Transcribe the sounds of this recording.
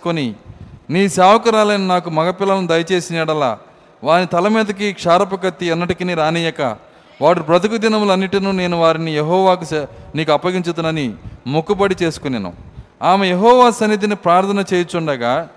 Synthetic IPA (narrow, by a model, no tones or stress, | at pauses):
koniniːsaːʋɐkɐɾaːlɐjninaːkumɐɡɐpilɐlɐnud̪ɐjɐt͡ʃe̞ːsinɛːɽɐla̰ː | ʋaːnːit̪ɐlɐmiːd̪ɐk̬ikʂaːɾɐp̬ɐkɐt̪ːiɛnːɐʈikiniɾaːniːjɐkɐ̰ | ʋaːɾipɾɐt̪ikud̪inɐmluɐnːiʈinuːne̞ːnuʋaːɾinijeɦɔːʋaːk̬usniːkuɐpːɐɡiɲt͡ʃut̪unɐnimukubɐɽit͡ʃe̞ːsu̥kunenṵaːmejeɦɔːʋaːsɐnit̪̬inipɾaːɾt̪ʰɐnɐt͡ʃeːjt͡ʃuɳɖɐɡaː